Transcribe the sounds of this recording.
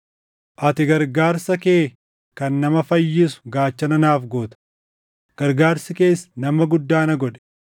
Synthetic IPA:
ʔɐt̪ɪɡɐɾɡaːɾsɐkeː | kɐnːɐmɐfɐjːɪsʊ̥ɡaːt͡ʃːɐnɐnaːfɡoːt̪ɐ̥ | ɡ̥ɐɾɡaːɾsɪke̞ːsːɐ̥nɐmɐɡʊd̪ːaːnɐɡɔᶑɛ̥

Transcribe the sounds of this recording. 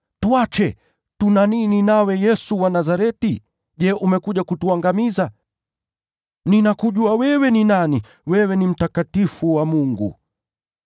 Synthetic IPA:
twat͡ʃɛ | tunanininawɛjɛsuwanazaɾɛti | ʄɛʔumɛkuʄakutuaŋɡamiza | ninakuʄuawɛwɛninani | wɛwɛnim̩takatifuwamuŋɡṵ

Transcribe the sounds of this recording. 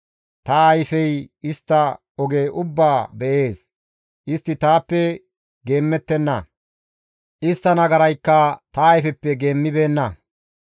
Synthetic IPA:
t̪ɐːjfɛjɪst̪ːɐ | ɔɡeːʔʊbːaːbɛʔe̞ːs | ʔɪst̪ːɪt̪aːpːɛ | ɡe̞ːmːɛt̪ːɛnːɐ̰ | ʔɪst̪ːɐnɐɡɐɾɐjkːɐt̪ɐːjfɛpːɛɡe̞ːmːɪbe̞ːnːɐ

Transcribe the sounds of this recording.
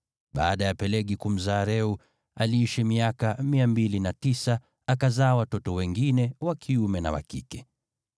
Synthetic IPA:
ɓa̰ːɗajapɛlɛɠikum̩zaːɾɛu | aliiʃimiakamiambilinatisa | akazaːwatɔtɔwɛŋɡinɛwakʰiumɛna̰wa̰kḭkɛ

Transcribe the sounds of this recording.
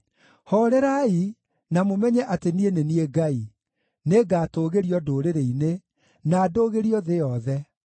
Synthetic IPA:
hɔɾɛɾai | namomɛɲɛʔatenienenieɡai | neɡaːtoːɣeɾiɔdoːɾeɾeine | naːdoːɣeɾiɔðejɔðɛ

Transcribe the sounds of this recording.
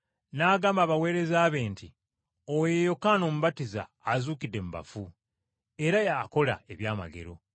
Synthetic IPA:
naːɡaːmbaːβawe̞ːɾe̞zaːβe̞ːnti | owjejo̞kːaːno̞ːmuβatiza̰ːzuːkidːe̞muba̰fu | e̞ɾajaːko̞la̰e̞βjaːma̰ɡe̞̰ɾo̞̰

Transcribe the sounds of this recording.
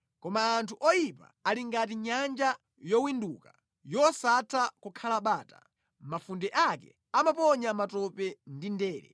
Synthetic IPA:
kɔmaːntʰuʔɔjipa̰aliŋɡat̬iɲand͡ʒa | jɔwinduːka | jɔsatʰakukʰalaɓaːta̰ | mafundɛʔakɛ̰ | amapɔɲamatɔpɛndindɛːɾɛ̰

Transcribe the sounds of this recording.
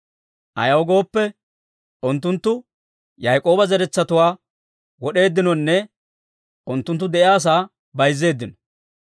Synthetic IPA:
ʔɐ̰jɐwɡo̞ːpːɛ | ʔʊnt̪ːʊnt̪ːʊ | jɐjkʼo̞ːbɐzɛɾɛt͡sːɐt̪ʊwaː | wɔɗe̞ːd̪ːɪnɔnːɛ | ʔʊnt̪ːʊnt̪ːʊd̪ɛʔɪjaːs̬aː | bɐjzːe̞ːd̪ːɪnɔ̥

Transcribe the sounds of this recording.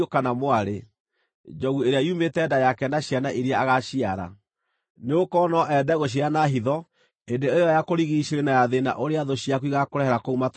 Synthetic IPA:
okanamwaɾe | d͡ʒɔɣueɾeaiumetɛːdajakɛnaɕianaʔiɾiaaɣaɕiaɾa̰ | neokɔnɔʔɛdɛɣoɕ̬ianaɦiðɔ | endeeɔjakoɾiɣiɕeɾenajaðena̰ʔoɾeaðoɕiakuiɣakoɾɛhɛɾakoumat

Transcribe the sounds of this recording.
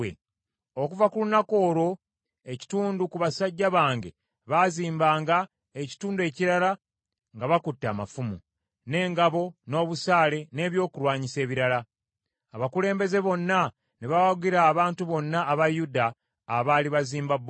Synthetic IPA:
ḛ | okuvakulunako̞ːɾo̞ | eci̥tuːndukuβasaɟːaβaːŋɡe̞ | βaziːmbaːŋɡa | eci̥tuːndue̞ːciɾala | ŋɡaβakutːa̰ma̰fumu | ne̞ːŋɡaβo̞no̞ːβusaːle̞ne̞ːβjo̞ːkuɾwaːɲise̞ːβiɾala | aβakule̞ːmbe̞ze̞βo̞nːa | neβawaɡiɾaːβaːntuβo̞nːaːβajudaː | βaːliβaziːmbab

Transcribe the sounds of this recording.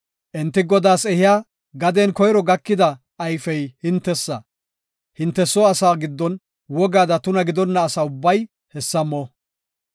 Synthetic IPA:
ʔɛnt̪ːɪɡɔd̪aːsɛhɪjaː | ɡɐd̪ɛnkɔjɾɔɡɐkːɪd̪ɐ | ʔːjfɛjhɪnt̪ːɛsːɐ̰ | hɪnt̪ːɛsɔɐsaːɡɪd̪ːɔn | wɔɡaːd̪ɐt̪ʊnɐɡɪd̪ɔnːɐːsaːʊbːɐj | hɛsːɐmɔ

